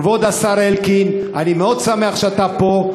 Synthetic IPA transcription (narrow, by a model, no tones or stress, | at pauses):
vod̪asaʁelkinanimeo̞d̪sameaχʃeat̪apo̞